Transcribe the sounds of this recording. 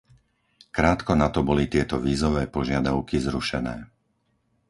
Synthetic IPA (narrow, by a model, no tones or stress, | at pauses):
kɾaːt̪kɔnat̪ɔbɔlit̪ɪɛt̪ɔʋiːzɔʋɛːpɔʒɪad̪aʊkizɾuʃɛnɛː